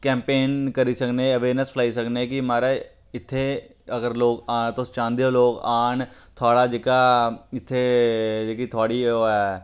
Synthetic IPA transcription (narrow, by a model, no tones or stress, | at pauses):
kɛ̃ːmpeːnkəɾiːsəkneəʋeːɾnəspʰlaːisəkneːkimaːɾaː | ɪt̪ʰːe | əɡəɾloːkaːt̪ost͡ʃãːnd̪eoːloːɡaːɳt̪ʰoaːɽaːd͡ʒeːkaːɪt̪ʰːed͡ʒekit̪ʰoaːɽiːoɛː